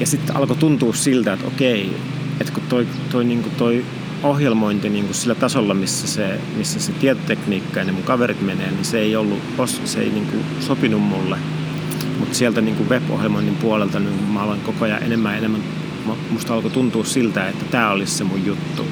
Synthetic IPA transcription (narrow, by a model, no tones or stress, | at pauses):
jɑsit̪ːɑ̰lkot̪unt̪uːssilt̪æet̪o̰kei | et̪kut̪oi | t̪oiniːŋkut̪oi | ohjelmoint̪iniːŋkusilːæt̪ɑsolːɑmisːæse | misːæset̪iet̪ot̪ekniːkːɑjɑnemuŋkɑʋerit̪meneːniseeiolːṵ | ossḛḛiniːŋkṵ | sopinummulːe | mut̪sielt̪æniːŋkuʋʋepo̰hjelmoinːimpuolelt̪ɑnyŋkummæoleŋkokoɑjɑ̰ʔḛnemːæenemːæn | momust̪ɑlkot̪unt̪uːssilt̪æet̪ːæt̪æːolissemujjut̪ːṵ